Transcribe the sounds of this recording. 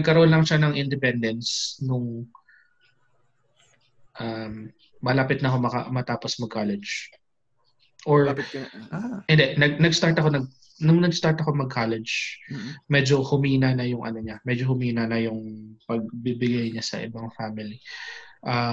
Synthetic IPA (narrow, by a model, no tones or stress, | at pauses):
nɐɡ̚kɐɾonlɐŋʃanɐŋʔɪnd̪ɛpɛnd̪ɛnsnʊŋ | ʔamː | ɐlaːpɪt̪̚nɐhomɐkɐ̰mɐt̪aːposmɐɡ̚kʰalɛd͡ʒ | ʔoɹaɛnd̪ɛnɐɡ̚nɐɡst̪aɹt̪ɐko̞nɐɡ̚ | nʊŋnɐɡst̪aɹt̪ɐkomɐɡ̚kʰalɛd͡ʒ | mɛd͡ʒo̞hʊmiːnɐnɐjʊŋʔɐ̰noɲamɛd͡ʒohʊmiːnɐnɐjʊŋpɐɡ̚bɪbɪɡajɲasɐ̰ʔɪ̰bɐŋfamɪliʔa